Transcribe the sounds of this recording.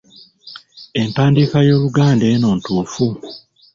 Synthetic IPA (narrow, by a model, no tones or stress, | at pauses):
e̞mtaːndikajo̞ːluɡaːndeːno̞ːntuːfu